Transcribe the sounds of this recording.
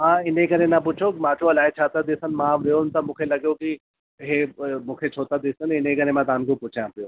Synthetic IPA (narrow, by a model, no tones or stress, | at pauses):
ɦãɪnẽkɐɾẽnapuːt͡ʃʰokmãːt͡ʃʰoɐlaːet͡ʃʰaːt̪ad̪esənmãːʋeont̪ɐmʊkʰelɐɡjoki | ɦemʊkʰet͡ʃʰoːt̪ad̪eːsɐnɪnẽkɐɾẽmãd̪aːnɡõpuːt͡ʃʰãpjoː